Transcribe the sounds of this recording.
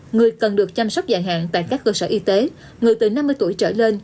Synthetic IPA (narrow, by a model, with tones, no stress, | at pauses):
ŋɨ˨˩əjkə˨˩nɗɨ˨˩ək̚t͡ɕa˧msa˦˥wk͡p̚za̰ː˧˨jɦa̰ː˧˨nt̪a̰ː˧˨jkaː˦˥kːəː˧səː˧˩ʔi˧t̪e˨˦ | ŋɨ˨˩əjt̪ɨ˨˩na˧mːɨ˧əjt̪u˧˩əjt͡ɕə̰ː˧˩le˧n